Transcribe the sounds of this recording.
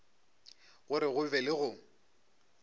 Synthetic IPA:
ɣʊɾɪɣʊvɛlɪɣʊ

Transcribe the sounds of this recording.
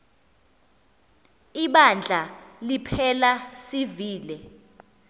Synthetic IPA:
iɓand͡ɮʱalipʰɛlasiviːlɛ

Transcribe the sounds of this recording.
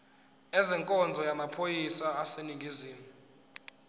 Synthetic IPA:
ɛzɛŋkʼɔnd͡zʱɔjamapʰojisaːseniŋɡʱiziːmu

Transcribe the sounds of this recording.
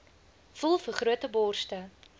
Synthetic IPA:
fulˠfərχruətəbɔːrstə

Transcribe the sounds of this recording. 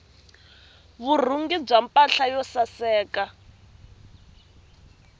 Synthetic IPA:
βur̤uŋɡib͡ʐampʼaɬajɔsasɛːka

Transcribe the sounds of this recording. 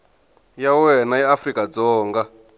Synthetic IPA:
jawɛnajɛafrikʼad͡zɔːŋɡa

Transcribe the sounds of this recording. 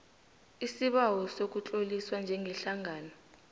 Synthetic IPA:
isiɓawɔsok̬ut͡ɬʼoliswand͡ʒʱɛŋɡʱɛɬaŋʱaːnɔ

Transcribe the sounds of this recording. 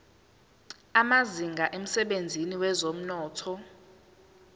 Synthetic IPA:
amaziŋɡʱaʔem̩sɛɓend͡zʱiniwɛzom̩nɔːtʰɔ

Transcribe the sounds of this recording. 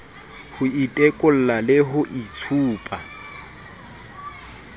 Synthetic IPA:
hʊitʼɛkʼʊl̩lalɪɦʊʔit͡sʰuːpʼa

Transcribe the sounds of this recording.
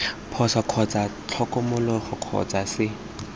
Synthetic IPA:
pʰɔsɔkʰɔt͡sʼat͡ɬʰɔkɔmʊlɔχʊkʰɔ̰t͡sasɪ

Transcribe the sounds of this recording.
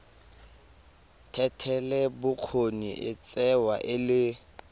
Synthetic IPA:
tʰɛtʰɛlɛbʊq͡χʰonḭʔɪt͡sʼɛwaʔɪlɪ

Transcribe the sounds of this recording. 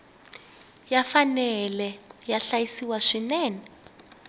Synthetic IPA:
jafanɛlɛjaɬajisiwaʂinɛːnɛ

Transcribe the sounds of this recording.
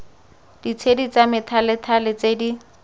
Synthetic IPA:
d̥it͡sʰedit͡samɪtʰalɪtʰalɪt͡sedi

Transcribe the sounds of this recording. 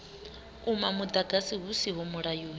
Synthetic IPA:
umamud̪aɡasiɦusiɦɔmuɺajuːni

